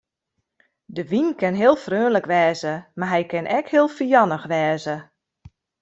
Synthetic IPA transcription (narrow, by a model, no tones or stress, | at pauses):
dəʋinkɪnɦɪːəlˠfrøːnləkʋɛːzəmaɦɛjkɪnʔɛkhɪəlˠfijɑnəxʋɛːzə